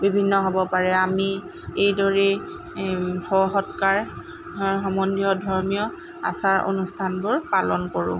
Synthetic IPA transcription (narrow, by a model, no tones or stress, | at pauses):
bibʱinːɔɦobɔpaɹɛami | ejdɔɹɛ | hɔɦɔtkaɹ | ɦɔmɔndiɔdʱɔɹmijɔ | a̰saɹo̰nustʰanbʊɹpalɔnkoɹʊ̰̃